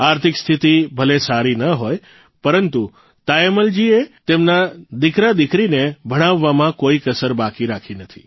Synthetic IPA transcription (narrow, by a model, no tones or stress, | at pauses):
aɾt̪ʰɪkst̪ʰit̪ibʱəlesaɾinəɦoj | pəɾənt̪u | t̪ajeməld͡ʒiet̪emnad̪ɪkɾad̪ɪkɾinebʱəɽ̃aʋːamãkoikəsəɾbakiɾakʰinət̪ʰḭ